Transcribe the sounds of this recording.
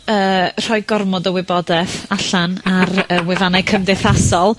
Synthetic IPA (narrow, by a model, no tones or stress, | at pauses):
əːr̥ɔjɡɔrmɔdəwɪbɔdɛθaɬanaɾəwɪvanakʰəmdɛθasɔlˠ